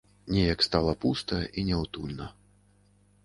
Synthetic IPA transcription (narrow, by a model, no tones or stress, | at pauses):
nʲɛjɐkst̪alˠɐpust̪ɐʔinʲɛwt̪ulʲnɐ